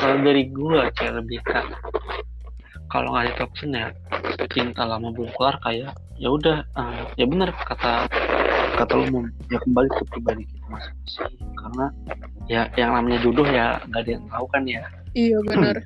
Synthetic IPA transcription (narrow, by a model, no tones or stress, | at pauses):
kalodaɾiɡuat͡ʃaləbihka | ka̰lo̰ŋasɪt̪ɔk̚sənja | t͡ʃint̪alamabuŋkularkajaʔ | jaudahəmjabənərkat̪a | kat̪alumʊm | jakəmbalit̪ʊp̚ɾibadikit̪amasɪ̥hmasɪhkarəna | jajaŋnamaɲad͡ʒodʊhja̰ŋɡaʔdajaŋaukanja | abə